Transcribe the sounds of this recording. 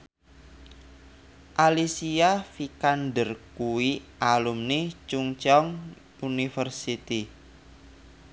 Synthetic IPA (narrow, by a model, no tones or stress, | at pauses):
ʔalisiafikanɖərkuwiʔalumnit͡ʃuŋt͡ʃɔŋ | unifərsit̪i